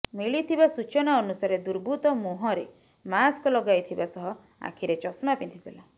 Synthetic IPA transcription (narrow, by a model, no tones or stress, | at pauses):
miɭit̪ʰibasut͡ʃɔnaɔnusaɾed̪uɾbʱut̪ɔmuɦɔɾe | maskɔlɔɡajt̪ʰibasɔɦɔ | a̰kʰiɾet͡ʃɔsmapint̪ʰid̪ela